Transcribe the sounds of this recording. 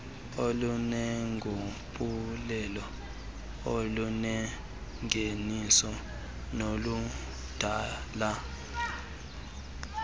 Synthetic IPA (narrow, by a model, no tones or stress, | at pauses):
olunɛŋɡʱuɓulɛlɔ | olunɛ | ŋʱenisɔ | nolu | d̥ʱaːla